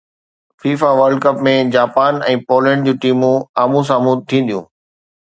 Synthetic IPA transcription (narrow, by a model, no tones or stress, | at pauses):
fiːfaʋəɾɖkəpmẽd͡ʑaːpaːnɛ̃ːpoːlɛ̃ːɳɖd͡ʑũːʈiːmũaːmũs̬aːmũːt̪ʰːĩːn̆d̪ijũː